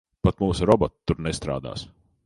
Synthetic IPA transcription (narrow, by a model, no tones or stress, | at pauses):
pat̪muːsuɾɔbɔt̪t̪ːuɾnɛst̪ɾa̰ːd̪a̰ːs